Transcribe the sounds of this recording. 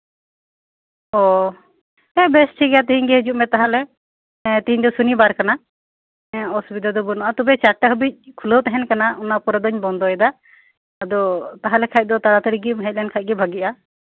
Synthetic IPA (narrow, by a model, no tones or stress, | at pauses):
ɔ | ɛbɛst͡ʃʰiɡɛjat̪iɦiɲɡɛɦəd͡ʒuʔ̚mɛt̪aɦalɛ | t̪iɦiɲd̪ɔsunibaɾkana | ɔsubid̪ad̪ɔbɔnɔʔat̪ubɛt͡ʃaʈaɦəbic̚kʰuləwt̪ɛɦɛnkanaɔnapɔɾad̪ɔɲbɔnd̪ɔɛd̪aː | d̪ɔt̪aɦalɛkʰac̚d̪ɔt̪ad̪at̪əɾiɡimɦɛc̚lɛɛnkʰac̚ɡɛbʱaɡiʔa